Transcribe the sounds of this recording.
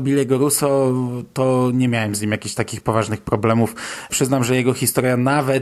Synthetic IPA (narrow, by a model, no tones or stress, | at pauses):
bʲilɛɡɔɾusɔt̪ɔɲɛmʲjawɛmzɲimjakʲiɕt̪akʲixpɔvaʐnɘxpɾɔblɛmufpʂɘznamʐɛjɛɡɔxʲist̪ɔɾjanavɛ